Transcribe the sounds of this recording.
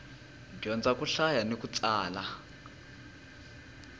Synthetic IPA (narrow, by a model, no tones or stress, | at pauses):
ndijɔnd͡zakʼuɬajanek̬ʼut͡sʼaːla